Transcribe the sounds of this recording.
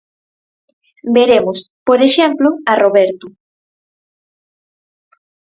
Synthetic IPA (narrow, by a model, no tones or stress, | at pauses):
beɾemʊspoɾeʃemploaroβeɾt̪ʊ